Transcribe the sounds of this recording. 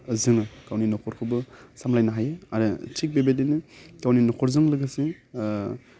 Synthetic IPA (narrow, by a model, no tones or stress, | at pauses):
zɯŋɯkawninɔkʰɔɾkʰɯbɯsamlajnaɦajɯaɾɯtʰik̚bebedenɯkawninɔkʰɔɾzɯŋlɯɡɯse